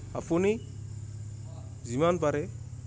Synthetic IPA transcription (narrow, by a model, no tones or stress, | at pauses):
a̰pʰuni | zimanpaɾe